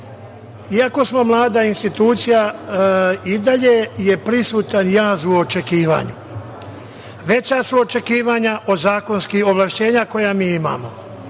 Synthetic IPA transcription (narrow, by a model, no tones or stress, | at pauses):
iako̞smo̞mlˠaːd̪ainst̪it̪uːt̪sija | id̪aʎeje̞pɾisuːt̪anjaːzuot͡ʃe̞kiːʋa̰ːɲu | ʋe̞t͡ɕasuo̞t͡ʃe̞kiːʋaɲaʔo̞zaːko̞nskiho̞ʋlaʃt͡ɕe̞ːɲako̞jamiːima̰ːmo̞